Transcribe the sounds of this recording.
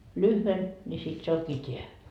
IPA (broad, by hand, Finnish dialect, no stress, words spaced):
lyhʋen nʲi sit se oŋkiː tʲeæ